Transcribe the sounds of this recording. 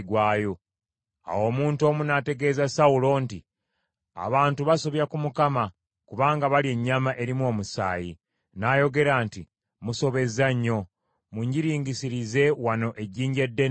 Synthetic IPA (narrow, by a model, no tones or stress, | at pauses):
ɡwaːjo̞ | a̰wo̞ːmuːnto̞ːmunate̞ɡe̞ːzasawulo̞ːnti | a̰βaːntuβaso̞βjakumukama | kuβaːŋɡaβalie̞ɲːamaʔe̞ɾimwo̞ːmusa̰ːji | najo̞ɡe̞ɾaːnti | muso̞βe̞zaɲːo̞ | muɲɟiɾiːɲɡisiɾize̞wano̞ʔe̞ɟiːɲɟe̞dːe